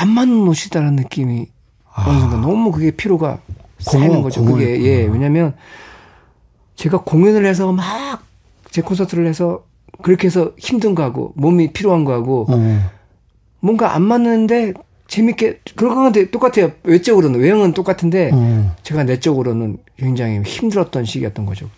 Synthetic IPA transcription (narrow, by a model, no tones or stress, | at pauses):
amːanːɯnmoɕʰidaɾanɯnːɯk͈imi | ʌnʌs̬ʰŋdanʌmukɯɡe̞pʰiɾoɡa̰s͈ainɯnɡʌd͡ʑokɯɡe̞je̞we̞ɲamjʌn | t͡ɕe̞ɡakoŋjunɯɭhe̞s̬ʰʌmak̚ | t͡ɕe̞kʰonsʰʌtʰɯɾɯɭhesʰʌ | kɯɾʌkʰees̬ʰʌçimdɯnɡoɦaɡo̰momipʰiɾjoɦanɡoɦaɡo | mwʌŋɡaʔa̰nmanːɯnde̞ | t͡ɕe̞mik͈e̞kɯɾʌk͈aɯndʰe̞t͈ok͈atʰe̞jowe̞t͡ɕ͈ʌɡɯɾonɯnwe̞ɦʌŋɯnt͈ok͈atʰɯnde̞t͡ɕe̞ɡane̞t͡ɕ͈ʌɡɯɾonɯnkɥe̞ŋd͡ʑaŋiçimdɯɾʌt̚t͈ʌnɕʰiɡijʌt͈̚ʌnɡʌd͡ʑo